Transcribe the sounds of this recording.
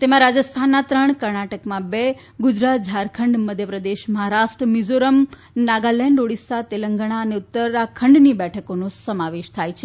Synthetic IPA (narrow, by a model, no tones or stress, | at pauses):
t̪emãɾad͡ʒəst̪ʰanːat̪ɾəɳkəɾɳaʈəkmãbe | ɡud͡ʒɾat̪̚d͡ʒʱaɾkʰəɳɖməd̪ʱjəpɾəd̪eʃməɦaɾaʃʈɾəmizoɾəm | naɡalɛɳɖoɽisat̪eləŋɡəɽ̃aəneʊt̪ːəɾakʰəɳɖnibɛʈʰəkonosəmaʋeʃt̪ʰajt͡ʃʰe